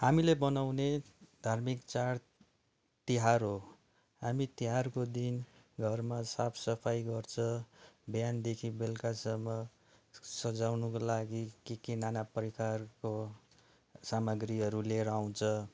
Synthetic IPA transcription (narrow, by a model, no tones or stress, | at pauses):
hamilebʌnawne | d̪ʱarmikt͡saɽ | t̪iɦarɦo | ɦamit̪iɦarkod̪in | ɡʱʌrmasapʰsʌpʰajɡʌrt͡sʰʌ̃bjand̪ekʰibelkasʌmːʌ | sʌd͡zawnukolaɡikekinanapʌɾikarko | samʌɡriɦʌɾuleɾaw̃t͡sʰʌ̃